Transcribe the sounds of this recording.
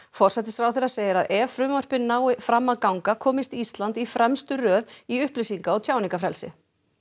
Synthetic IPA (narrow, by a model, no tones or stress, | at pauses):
fɔr̥sɛt̪ɪsfɾaːwθeraseːjɪɾaðʔɛvfɾʏːmœr̥pɪnːaːwɪfɾamːaðkawŋkakʰɔːmɪst̪ist̪lant̪ifɾɛmst̪ʏrœːðiʏhplɪsiŋkaɔɣt̪ʰjaːwnĩŋkafɾɛlsɪ̰